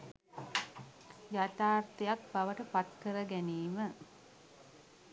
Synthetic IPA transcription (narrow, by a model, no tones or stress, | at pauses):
jat̪aːrt̪ijak̚baʋəʈəpat̪kəɾəɡæniːmə